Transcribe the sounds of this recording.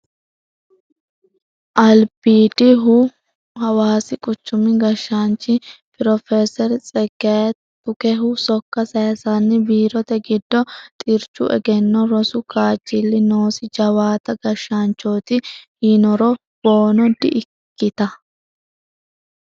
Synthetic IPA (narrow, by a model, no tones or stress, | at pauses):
ʔɐlbiːd̪ɪɦʊ | hɐwaːsɪkʼʊt͡ʃːʊmɪɡɐʃːant͡ʃːɪpɪɾɔfeːsɛɾt͡sʼɛɡet̪ː | ʊkɛɦʊsɔkːɐsɐjɐsanːɪbiːɾɔt̪ɛɡɪd̪ːɔt̪ʼɪɾt͡ʃːʊ̰ʔɛ̰ɡɛnːɔɾɔsʊkaːd͡ʒːɪlːɪnoːsɪd͡ʒɐwaːt̪ɐɡɐʃːant͡ʃːoːt̪ɪhinɔɾɔ | b̥o̞ːnɔd̪ɪʔɪkːɪt̪ɐ